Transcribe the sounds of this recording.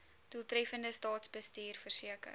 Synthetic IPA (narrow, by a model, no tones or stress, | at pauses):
d̥ulˠtrɛfəndəstɑːtsbəstiːrfərsiəkə̰r